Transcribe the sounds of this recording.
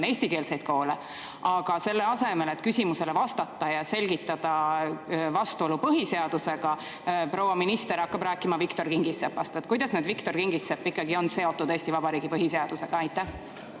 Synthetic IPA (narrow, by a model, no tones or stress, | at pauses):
eːsʲt̪ike̞ːlse̞jd̪̥ko̞ːle | ɑɡ̥ɑse̞lːeɑse̞me̞let̪kysʲimuse̞levɑst̪ɑt̪ːˑɑjɑse̞lʲɡ̥it̪ːˑɑd̪̥ɑ | vɑst̪uo̞lupɤɦise̞ɑd̪̥use̞ɡ̥ɑ | pɾo̞wɑminist̪e̞ɾɑkːɑb̥ɾæːkˑːimɑvikt̪o̞rkiŋɡisepːɑst̪et̪̚ːˑkujd̪̥ɑsneːd̪vikt̪o̞rkiŋɡ̥isːepːikːɑɡio̞nse̞o̞t̪ːˑud̪̥eːsʲt̪ivɑbɑɾiːɡ̥ipɤɦiseɑd̪̥use̞ɡ̥ɑɑjt̪ːˑæh